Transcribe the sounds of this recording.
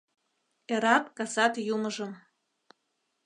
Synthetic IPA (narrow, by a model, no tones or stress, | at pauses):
eɾɑt̪kɑsɑt̪juməʒɤ̆m